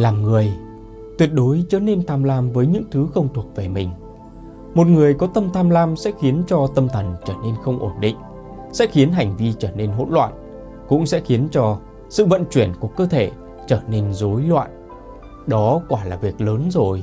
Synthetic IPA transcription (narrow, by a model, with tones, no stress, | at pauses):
laː˨˩mŋɨ˨˩əj | t̪wi˨˩ət̚ɗo˨˦jt͡ɕəː˨˧˩ne˧nt̪ʰaː˧mlaː˧mvəː˨˦jɲɨ̰˧˥ŋt̪ʰɨ˨˦xə˧wŋ͡mt̪ʰu˨˩ək̚ve˨˩mï˨˩ŋ̟ | mo˨˩t̚ŋɨ˨˩əjkɔ˨˦t̪ə˧mt̪ʰaː˧mlaː˧msɛ̰˧˥xi˨˦ənt͡ɕɔ˧t̪ə˧mt̪ʰə˨˩nt͡ɕəː˧˩ne˧nxə˧wŋ͡mʔo˧˩nɗḭ˧˨ŋ̟ | sɛ̰˧˥xi˨˦ənɦa˨˩jŋ̟vi˧t͡ɕəː˧˩ne˧nɦo̰˧˥nlwa̰ː˧˨n | kʊ̰˧˥ŋ͡msɛ̰˧˥xi˨˦ənt͡ɕɔ˧ | sɨ̰˧˨və̰˧˨nt͡ɕwi˧˩ənku˧˩əkəː˧t̪ʰe˧˩ | t͡ɕəː˧˩ne˧nzo˨˦jlwa̰ː˧˨n | ɗɔ˨˦kwaː˧˩laː˨˩vi˨˩ək̚ləː˨˦nzo˨˩j